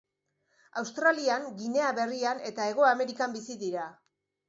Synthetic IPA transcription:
awst̪ɾaliaŋɡine̞aβe̞riane̞t̪ae̞ɣ̞o̞ame̞ɾikambisiðiɾa

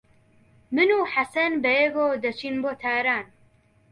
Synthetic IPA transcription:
mɨnuːħasɐnbɛjeɡoːd̪ɐt͡ʃʰinboːt̪ʰaːɾaːn

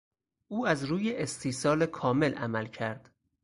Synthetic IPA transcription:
ʔuːæzɾuːjeʔest̪ʰiːsɒːlekʰɒːme̞lʔæ̰mælcʰæɾd̪̥

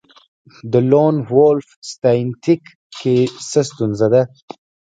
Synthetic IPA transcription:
d̪əlonwolfst̪ajnt̪ʰikː | esəst̪unzad̪a

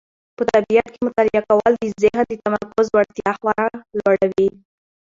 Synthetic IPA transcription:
pət̪abijat̪kemʊt̪alijakawəld̪əzɪɦd̪ət̪amaɾkʊzwaɾt̪jɑxwɑɾalwaɽawi

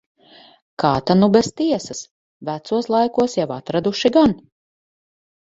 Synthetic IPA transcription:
kaːt̪anubɛst̪iɛsɐs | væt̪suɔslˠajkuɔsjawat̪ɾad̪uʃiɡan

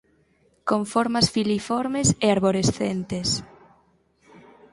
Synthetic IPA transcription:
koɱfɔɾmasfilifɔɾmeseaɾβoɾesθent̪es

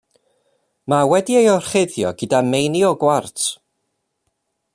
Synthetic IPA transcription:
mawɛdiejɔrχɪðjɔɡɨdamejniɔɡwartʰ

